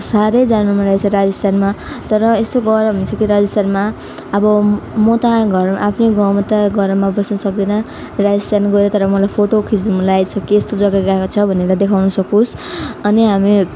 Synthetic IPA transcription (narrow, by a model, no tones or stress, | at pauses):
saɾʌjd͡zannumalajt͡sʰʌɾad͡zʌst̪anma | t̪ʌɾʌest̪oɡʌɾʌbʱʌnt͡sʰʌkiɾad͡zʌst̪anma | ʌbʌmot̪aɡʱʌrmʔapʰneɡʌ̃wmʌt̪aɡʱʌɾmabʌsnʌsʌk̚d̪inʌ | rad͡zʌst̪anɡʌɾet̪ʌɾʌmʌlajpʰoʈokʰid͡zimlajt͡sʰʌkiest̪od͡zʌɡaɡaekot͡sʰʌbʱʌneɾʌd̪ekʰawnʌsʌkusʌniɦami